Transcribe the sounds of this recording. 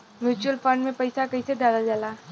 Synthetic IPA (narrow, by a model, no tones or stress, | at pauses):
mjuːt͡ʃuəlfə̃ɳɖmẽpɐɪsakɐised̪aːlad͡ʒaːlaː